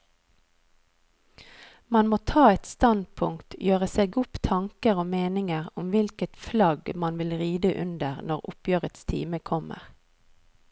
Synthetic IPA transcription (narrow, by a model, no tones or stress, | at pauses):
mɑnmoːt̪ʰɑːɛt̪st̪ɑnd̪̚pʰʊŋkt̪jøːʁəseːɡʊpt̪ʰɑŋkəʁoːmeːnɪŋəʁʊmʋɪlkət̪flɑɡmɑnʋɪlʁiːd̪əʔʉ̰nd̪əʁnɔʁʊ̰pjøːʁət̪st̪ʰḭːməkʰɔmə̰ʁ